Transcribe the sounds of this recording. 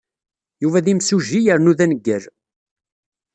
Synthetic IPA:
juvæðimsuʒijəɾnuðænəɡːəɾ

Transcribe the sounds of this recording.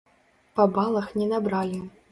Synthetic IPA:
pɐbalˠɐxnʲɛnabɾalʲi

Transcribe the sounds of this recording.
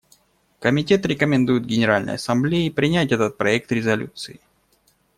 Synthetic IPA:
kəmʲɪtʲe̞t̪ɾʲɪkəmʲɪnd̪ujɪt̪ɡʲɪnʲɪɾalʲnə̰jɐ̰sɐmblʲejpɾʲɪnʲætʲɛt̪ət̪̚pɾɐɛk̚t̪ɾʲɪzɐlʲṵt̪sɨɪ

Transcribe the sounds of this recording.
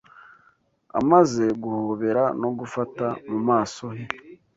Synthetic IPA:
a̰maze̞ɡuhoβe̞ɾano̞ɡufatamumaːso̞he

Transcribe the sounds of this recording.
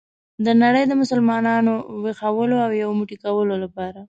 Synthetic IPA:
d̪ənaɽəjd̪əmʊsəlmɑnɑnowexawəloawjawomuʈikawəlolapɑɾa

